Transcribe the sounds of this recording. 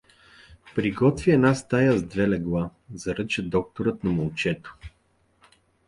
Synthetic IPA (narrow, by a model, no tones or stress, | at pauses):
pɾiɡɔt̪vʲiɛnast̪ajazd̪vɛlɛɡlˠazɐɾɤt͡ʃəd̪ɔk̚t̪oɾət̪nɐmɐlˠt͡ʃɛt̪o̥